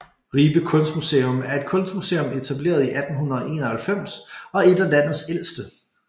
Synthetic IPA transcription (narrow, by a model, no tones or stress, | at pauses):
ʁiːb̥əkʰɔ̽n̰sd̥museːɔmæɐe̝d̥̚kʰɔ̽n̰sd̥musḛːɔ̽me̝t͡sʰæb̥le̝̰ːɐðˠiʔæd̥n̩ɦunɐɒ̽ʔe̝̰ːnɒhælfem̰sɒ̽e̝d̥ælæn̰ð̩ˠsel̰sd̥ə